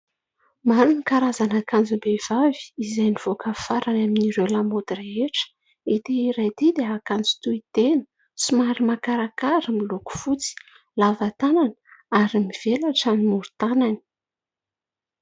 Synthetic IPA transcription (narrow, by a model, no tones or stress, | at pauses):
manunikaɾazanakand͡zubev̥avi̥izajniv̥okafaɾanaminiɾelamod̪ireeʈ͡ʂə̥ | et̪eiɾajt̪id̪eakand͡zut̪uit̪enə̥ | sumaɾimakaɾakaɾəmiluku̥fut͡si̥ | lavat̪ananəaɾimiv̥elaʈ͡ʂanimuɾu̥t̪anani̥